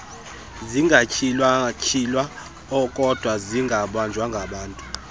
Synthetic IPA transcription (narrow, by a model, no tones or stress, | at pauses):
ziŋɡʱacʰilwacʰilwa | ɔkʼɔd̥ʱwaziŋɡʱaɓand͡ʒʱwaŋɡʱaɓaːntʼu